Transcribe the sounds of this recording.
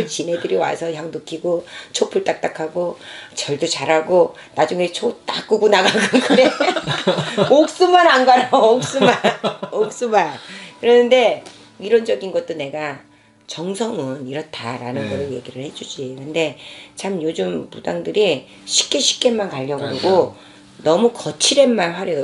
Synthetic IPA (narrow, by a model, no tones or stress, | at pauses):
ɯt͡ɕine̞dɯɾiwa̰sʰʌjaŋdokʰiɡot͡ɕʰopʰuɭt͈ak̚t͈akʰaɡot͡ɕʌɭdot͡ɕaɾɦaɡo | nad͡ʑuŋet͡ɕʰot͈ak͈ɯɡonaɡaɡɯnkɯɾe | ok̚s͈umananɡaɾook̚s͈umanok̚s͈umankɯɾʌnɯnde̞ | iɾʌnd͡ʑʌɡinɡʌt͈̚one̞ɡa | t͡ɕʌŋsʰʌŋɯniɾʌtʰa̰ɾa̰nɯnɡʌɾɯɭje̞ɡiɾɯɭhe̞d͡ʑud͡ʑiɯɯnde̞t͡ɕamjod͡ʑɯmpudaŋdɯɾi | ɕʰi̥k͈eɕʰi̥k͈̚emːankaʎːʌɡɯɾoɡo | nʌmukʌt͡ɕʰiɾe̞nmaɭɸwaɾjʌ